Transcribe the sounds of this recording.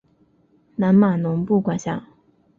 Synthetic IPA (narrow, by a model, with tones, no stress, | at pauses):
na˧˥nma˨˩nʊ˧˥ŋpu˥˩kwa˨˩ɕja˥˩